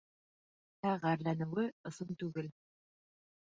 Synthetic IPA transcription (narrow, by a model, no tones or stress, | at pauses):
hæʁæɾlænɘ̆wɘɤ̆sɤnt̪ʉɡɘl